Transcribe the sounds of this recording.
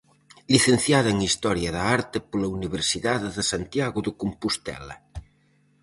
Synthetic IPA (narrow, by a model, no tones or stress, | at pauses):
ʎiθenθjaðɐeŋist̪ɔɾjɐðaaɾt̪epolɐuniβ̞eɾsiðaðeðesant̪jaɣʊðokompust̪ɛ̰lɐ̰